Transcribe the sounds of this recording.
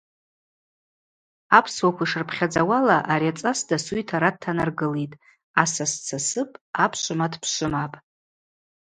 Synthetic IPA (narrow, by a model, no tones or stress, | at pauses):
apʰswakʷʰaiʂɨrpʰχʲad͡zawalaʔaɾiat͡sʼasdasujtʰaɾad̚tʰːanarɡɨlejtʼ | asast͡sʰasɨpʼapʰʃʷɨmadʰpʰʂʷɨmapʼ